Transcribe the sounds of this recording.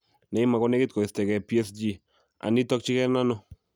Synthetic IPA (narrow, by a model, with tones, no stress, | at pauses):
nɛ˨ɪ˦ma˨kɔ˦nɛ˦kɪ˦t̚kɔ˨ɪ˨stɛ˨kɛ˨pi˦ɛ˦sd͡ʒi˦˨ | a̰˨nɪ˦tɔ˦k̚t͡ʃɪ˦kɛ˦na˦nɔ˦